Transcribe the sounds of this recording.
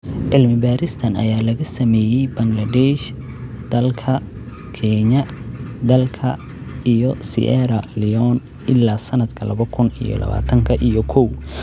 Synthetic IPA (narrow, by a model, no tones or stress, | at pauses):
ʕɪlmɪbaːɾɪst̪ʰɐnɐ̰jaːlɐɣɐsɐmɛːjɛjbɐŋɡlɐd̪ɛːʃ | d̪̥ɐlkʰɐ | kʰɛɲɐd̪ɐlkʰɐ | ijɔsḭʔɛɾɐlɪɔn | ʔɪlːaːsɐnɐd̪kʰɐlɐβɐkʰʊnḭjɔ̰lɐ̰βa̰ːt̪ʰɐŋkʰɐʔijɔkʰɔw